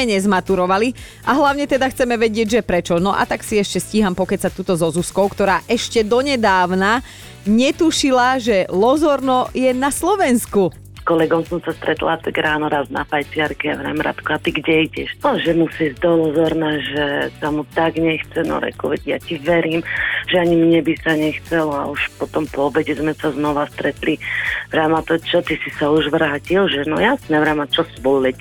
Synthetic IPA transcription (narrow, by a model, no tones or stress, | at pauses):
ɛɲɛzmat̪uɾɔʋali | aɦlaʊɲɛt̪ɛd̪axt͡sɛmɛʋɛɟɪɛɟʒɛpɾɛt͡ʃɔnɔʔa̰t̪aksiɛʃcɛsciɦampɔkɛsat̪uːt̪ɔzɔzuskɔʊkt̪ɔɾaːʔɛʃcɛd̪ɔɲɛd̪aːʊna | ɲɛt̪uʃilaʒɛlɔzɔɾnɔjɛnaslɔʋɛnsku | skɔlɛɡɔmsɔmsast̪ɾɛt̪la̰t̪aɡɾaːnɔɾazna̰fajt͡sɪaɾkɛavɾa̰mɾa̰t̪kuat̪iɡɟɛiɟɛʃɔʒɛmusiːzd̪ɔlɔzɔɾnaʒɛsamut̪aɡɲɛxt͡sɛnɔ̰ɾɛ̰kṵʋɛɟja̰ciʋɛɾiːmʒɛaɲimɲɛbisaɲɛxt͡sɛla̰uʃpɔt̪ɔmpɔɔbɛɟɛzmɛsaznɔʋast̪ɾɛt̪liʋɾaːmat̪ɔt͡ʃɔt̪isisauʒʋɾaːcilʒɛnɔjasnɛʋɾamat͡ʃɔsbɔlɛc